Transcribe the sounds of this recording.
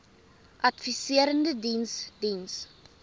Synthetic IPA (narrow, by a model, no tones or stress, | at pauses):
ʔɐtfisiəɾəndədinsdins